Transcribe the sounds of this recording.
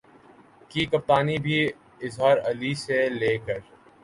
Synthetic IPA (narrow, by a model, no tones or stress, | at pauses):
kikɐp̚t̪aːnibʱi | ɪzɦaːɾɐliseleːkəɾ